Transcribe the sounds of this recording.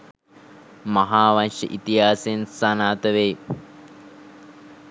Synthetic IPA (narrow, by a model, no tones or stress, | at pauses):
maɦaːʋanʂə̰ʔit̪iɦaːsensanaːt̪əʋe